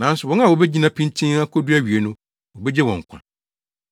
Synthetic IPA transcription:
nã˨˦n˦sʊ˨wɔ̃˦a˨wo˨be˦d͡ʑi˦nã˦pʰĩ˦n˦tʰĩ˦a˦kʰo˦du˦æ˦ɥi˨e˨nʊ̃˦ | wɔ˨bɛ˦d͡ʑɛ˦wɔ̃˨ŋ˨kʷʰã̰˨

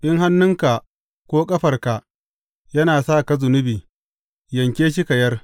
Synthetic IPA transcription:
ʔɪ˦ŋɦa˦nːʊ˦ŋka˨ | kʷoː˦kʼɐ˦ɸɐ˨rka˨ʔ | jɐ˦naː˨saː˦˨ka˦zʊ˨nʊ˦biː˨ | jɐ˨ŋkʲeː˦ʃ̬i˦ka˨jɐ˦r

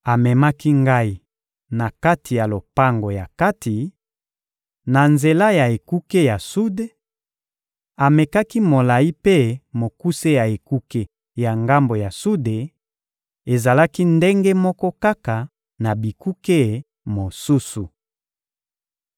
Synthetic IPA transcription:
a˨mɛ˨ma˦ki˦ŋɡa˦i˦ | na˨ka˦ti˨ja˨lo˨pa˦ŋɡo˨ja˨ka˦ti˨ | na˨nze˨la˦ja˨e˨ku˦ke˦ja˨su˦de˦ | a˨me˨ka˦ki˦mo˨la˨i˦pe˦mo˨ku˦se˦ja˨e˨ku˦ke˦ | ja˨ŋɡa˦mbo˨ja˨su˦de˨ | e˨za˨la˦ki˦nde˦ŋɡe˦mɔ˦kɔ˦ka˦ka˨ | na˨bi˨ku˦ke˦ | mo˨su˦su˨

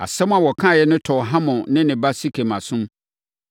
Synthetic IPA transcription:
a̰˨sɛ̃˦m˦a˨wɔ˨kʰã˦˨jɛ˦nʊ̃˦tʰɔ˨ɦã˦mʊ̃˨nɪ̃˦nɪ̃˨ba˦si˦kʰe˨mã˨sʊ̃˦m

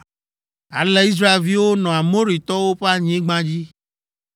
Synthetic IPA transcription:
a̰˨le˦i˦s̬ɾa˦e˨lvi˦wo˦nɔ̃˨a˨mõ˦ɾi˨t̪ɔ˦wo˦ɸe˦a˦ɲ˦ẽ˦ɡ͡bã˦d͡ʑi˦

